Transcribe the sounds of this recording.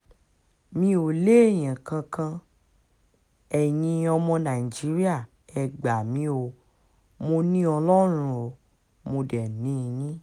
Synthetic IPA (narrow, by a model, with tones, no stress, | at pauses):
mĩ˧˦o˨le˦ɛ˦˨j̃ã˨kã˧kã˧ | ɛ˨jĩ˧ɔ˧mɔ̃˧nã˨i˨d͡ʒi˨˦ɾi˦a˦˨ | ɛ˨ɡ͡ba˨mĩ˧˦o˧ | mo˧nĩ˦ɔ˧lɔ˦ɾ̃ũ˦o˨ | mo˧dɛ˨nĩ˨˦˧nĩ˦